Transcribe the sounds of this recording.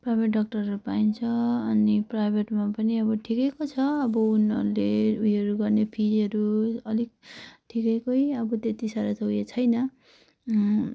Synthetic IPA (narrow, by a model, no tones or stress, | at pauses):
prajbʱeʈɖʌk̚ʈʌrʌɾupaint͡sʰʌʌniprajbʱeʈmapʌniʌbʌʈʰikekot͡sʰʌʌbʌunʌ̰ɾuleujʌɾuɡʌrnepʰid͡zʌɾuʌlik̚ʈʰikekʌjʌbʌt̪et̪isaɾat̪ʌujet͡sʰʌjnʌ